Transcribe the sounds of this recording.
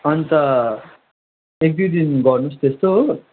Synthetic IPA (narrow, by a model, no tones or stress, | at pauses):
ʌnit̪ʌ | ek̚d̪ud̪inɡʌɾnust̪est̪o